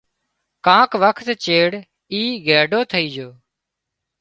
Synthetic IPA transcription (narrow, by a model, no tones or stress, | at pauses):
kãːkʋəkʰt̪t͡ʃeːɽ | iːɡɛːɖoːt̪ʰəiːd͡ʒoː